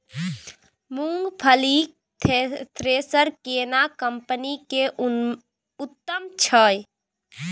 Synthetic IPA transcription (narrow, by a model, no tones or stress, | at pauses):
mũŋɡpʰəli | t̪ʰɾeːsəɾkeːnakəmpənike | ʊt̪ːəmt͡ʃʰəːj